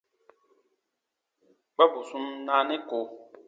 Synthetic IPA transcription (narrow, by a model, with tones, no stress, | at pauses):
k͡pa˦bu˨su˦mnaː˦nɛ˦ko˨